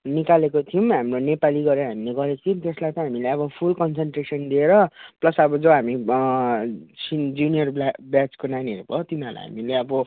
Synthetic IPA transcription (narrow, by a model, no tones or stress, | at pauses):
nikalekot̪ʰijumɦamronepaliɡʌɾeɾʌɦamileɡʌɾet͡sʰiumt̪eslajt̪ʌɦamileʌβʌpʰulkʌnsenʈresʌnd̪ieɾʌplʌsʌbʌd͡zʌɦami | sid͡zunijʌrbblat͡skonaniɦʌɾubʌt̪inala̰jɦa̰mileʌbʌ